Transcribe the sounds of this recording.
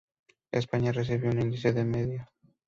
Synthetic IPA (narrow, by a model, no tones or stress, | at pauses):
ḛspaɲareθ̬eβeunĩnd̪iseðemeðja